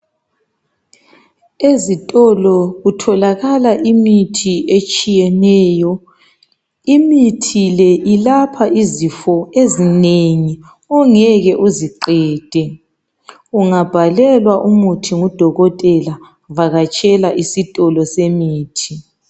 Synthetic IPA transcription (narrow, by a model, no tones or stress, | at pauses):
ezitʼɔlɔɣutʰɔlaɣalaʔimitʰiet͡ʃʼijɛnɛːjɔ | imitʰilɛʔilapʰaʔizifɔezineŋi | ɔŋɛɣɛʔuziǃɛːd̥ʱɛ | uŋab̥ʱalɛlwaʔumutʰiŋud̥ʱɔɣɔtʼɛla | vaɣat͡ʃʼɛlaʔisitʼɔlɔsemiːtʰi